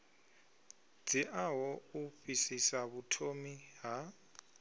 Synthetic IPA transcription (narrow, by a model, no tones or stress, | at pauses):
d͡ziʔaɦɔuɸisisaβutʰomiɦa